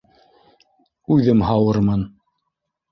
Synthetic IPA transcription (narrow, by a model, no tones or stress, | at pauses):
ʉðɘmhɑwɤɾmɤn